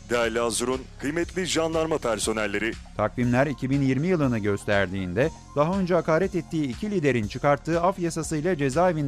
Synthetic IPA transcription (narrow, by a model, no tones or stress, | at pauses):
d̪ælʲazuɾunkʰɯjmɛt̪lʲiʒanlˠaɾmapʰæɾso̞nɛælʲːe̞ɾit̪ʰakvimlʲæɾicʰibinjiɾmijɯlˠɯnɯɟø̞st̪ʰæɾd̪iːnd̪ɛ | d̪̥aɦaø̞nd͡ʒɛɦakaːɾʲɛt̪et̪ʰːiːcʰilʲid̪e̞ɾint͡ʃʰɯkaɾt̪ʰːɯːafjasasɯjlˠad͡ʒe̞zaːevin